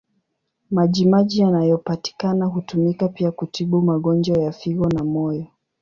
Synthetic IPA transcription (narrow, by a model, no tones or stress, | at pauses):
maʄimaʄijanajɔpati̥kanaɦutumikapiakutiɓumaɠɔnd͡ʒwajafiɣɔnamɔjɔ